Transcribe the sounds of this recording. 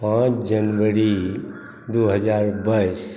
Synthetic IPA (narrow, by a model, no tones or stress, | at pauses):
pãːt͡ʃd͡ʒənʋəɾi | d̪uɦəd͡ʒaːɾbais